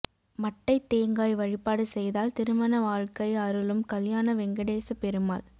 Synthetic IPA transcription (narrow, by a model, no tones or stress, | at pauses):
mɐʈːɐɪt̪ːeːŋɡaːjʋɐɻɪpːaːɽɯsɛjðaːlt̪ɪɾɯmɐnɐʋaːɻkɐɪɐɾɯlɯmkɐljaːnɐʋɛŋɡɐɽeːsɐpɛɾɯma̰ːl